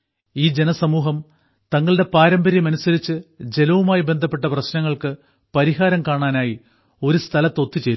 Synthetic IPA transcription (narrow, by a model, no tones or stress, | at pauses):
iːd͡ʑe̞nɐsɐmuːɦɐm | t̪ɐŋːɐɭɨɽe̞paːɾɐmbɐɾijɐmɐnusɐɾit͡ɕːɨd͡ʑe̞lɐʋumaːjibe̞nd̪ʱɐpːe̞ʈːɐprɐɕnɐŋːɐɭkɨ | pɐɾiɦaːɾɐmkaːɳaːnaːji | o̞ɾust̪ʰɐlɐt̪ːo̞t̪ːit͡ɕe̞jɾ